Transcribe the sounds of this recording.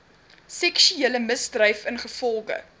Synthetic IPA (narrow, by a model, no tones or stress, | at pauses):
sɛkʃyeːləməsdrɐjfənχəfɔlˠɡə̰